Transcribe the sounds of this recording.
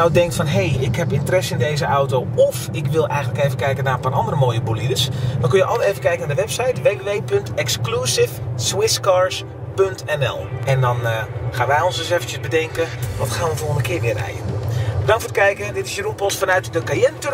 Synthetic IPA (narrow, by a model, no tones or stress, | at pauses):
awdɛŋk̚tfɔnɦejɪkɦɛpɪntərɛsɪndejzəʔawtoːɔfɪkʋɪlˠʔɛ̰jɣəntləkejvəkɛjkənaːəpaːrʔɑ̰ndərəmoːjəbulidəsdɔnkønjəʔɑləejvəkɛjkənadəʋɛpsɛjtʋeːʋeːʋejpɵntɛksklusɪfswɪskaːɹs | pøntɛnɛ̰lˠɛndɔnxaːnʋɛjɔnsdɪsɛfəntjəzbədɛŋkəʋɔtxaːnʋəfolənəkɪːʋɪərɛ̰jə̰nbədɑ̃ŋkfoːtkɛjkəɛndɪtɪsjərupɔsfɔnœɥtdəkajɛntø